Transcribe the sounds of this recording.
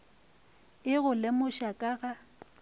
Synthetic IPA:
ɪɣʊlɪmʊʃakʼaɣa

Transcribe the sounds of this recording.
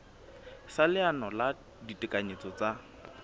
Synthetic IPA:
salɪanɔla | ditʼɪkʼaɲet͡sɔt͡sa

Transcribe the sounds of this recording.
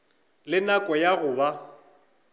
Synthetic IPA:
lɪnakʼɔjaɣʊːba

